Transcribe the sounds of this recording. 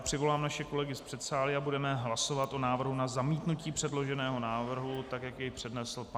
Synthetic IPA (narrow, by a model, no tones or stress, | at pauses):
pr̝̥ɪvo̞laːmnaʃɛko̞lɛɡɪspr̥ɛt̪saːlɪabudɛmɛɦlaso̞vat̪ʔo̞naːvr̩ɦunazamiːt̪nuciːpr̝̥ɛdlo̞ʒɛnɛːɦo̞naːvr̩ɦut̪akjajɛjpr̥ɛdnɛsl̩p